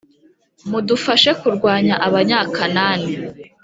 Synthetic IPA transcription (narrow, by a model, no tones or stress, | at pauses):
mudufaʃe̞kuɾɡwaːɲaʔaβaɲaːkanaːne